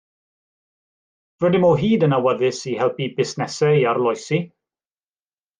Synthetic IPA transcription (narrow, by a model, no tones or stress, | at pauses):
vədɪmɔɦiːdənawəðɪsihɛlˠpibɪsnɛsɛaɾlˠɔjsi